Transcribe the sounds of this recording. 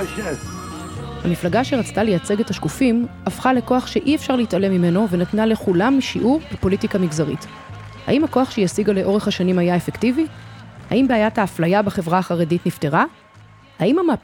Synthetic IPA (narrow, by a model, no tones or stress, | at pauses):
hamiflaɡaʃe̞ʁat͡stale̞jat͡se̞ɡethaʃkufimafχale̞ko̞aχʃe̞ʔiefʃaʁleitale̞mime̞no̞ve̞natnale̞χulamːiʃiʔuʁbipo̞litikamiɡzaʁit | ha̰imhako̞aχʃejasiɡaleʔo̞ʁe̞χhaʃanimajaefe̞ktiviha̰imbeajataːflajabeχe̞vʁaːχaʁe̞ditnifte̞ʁa | haimhama